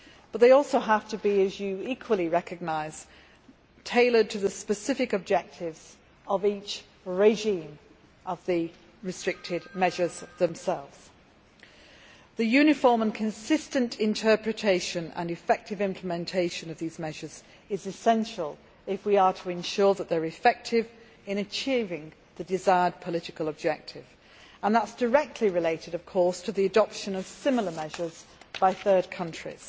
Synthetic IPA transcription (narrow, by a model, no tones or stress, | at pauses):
b̥ʌt̪̚ðeɪɔˑlˠsoʊɦaftəbiɨzjɨikʰwəlˠiɹɛkɨɡ̚naɪz̥ | tʰeɪlˠə˞tʰəðəspɨsɪfɪkəb̚d͡ʒɛk̚tʰɪvz̥ | əviˑt͡ʃ | ɹeɪʒĩm | ʔəvðɨ | ɹɨstɹ̥ɪk̚tʰɪd̚mɛʒə˞zðə̃msɛlˠvz̥ | ðɨjʉnɪfɔɹmə̃nkʰə̃nsɪstə̃ntʰɪ̃ntʰɜˑ˞pɹ̥ɨtʰeɪʃə̃nə̰̃nɨfɛk̚tɪvɪ̃mpʰləmɛ̃ntʰeɪʃə̃nəvðiːzmɛʒəz | ɪzɨsɛ̃nʃəlˠ | ɪfwiətʰəɪ̃nʃɔɹðəʔ̪̚ðəɹɪfɛk̚tʰɪv | ɪ̃ñɨt͡ʃʰiːvɪ̃ŋðɨdɪzaɪəd̚pʰəlɪɾɪkəlˠəb̚d͡ʒɛk̚tʰɪv̥ | ə̃nðətsd̥ə˞ɛk̚tʰˡliɹɪleɪtɪɾʌv̥kʰɔɹstʰəðiədɒpʃə̃nəv̥sɪ̃ml̩ˠəmɛʒə˞z̥b̥aɪθɜ˞d̚kʰʌ̃nt͡ʃɹ̥ḭz̥